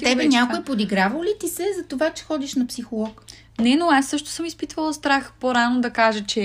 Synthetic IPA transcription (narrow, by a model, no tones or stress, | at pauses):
t̪ɛbɛnʲjakoipod̪iɡɾavəlit̪isɛzɐt̪ovat͡ʃɛ̥xɔd̪iʃnɐpsixolˠɔk | nɛnoasːɤʃt̪ʊ̥sɤmispit̪vəlˠɐst̪ɾaxpoɾanod̪ɐkaʒət͡ʃɛ